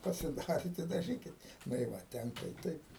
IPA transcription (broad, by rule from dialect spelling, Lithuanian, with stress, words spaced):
pɐsʲɪˈdɑːrʲɪt ɪ dɐˈʒʲiːkʲɪt nʊ ɪ ˈʋɐ ˈtʲɛŋkɐ ɪ ˈtɐɪp